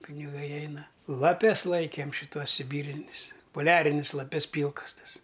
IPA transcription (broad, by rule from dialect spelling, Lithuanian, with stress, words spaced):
pʲɪnʲɪˈɡɐɪ ˈɛɪnɐ lˠɐˈpʲɛs ˈlˠɐɪkʲeːm ʃʲɪˈtuɔs sʲɪˈbʲiːrʲɪnʲɪs poːˈlʲæːrʲɪnʲɪs lˠɐˈpʲɛs ˈpʲiːlˠkɐs ˈtɐs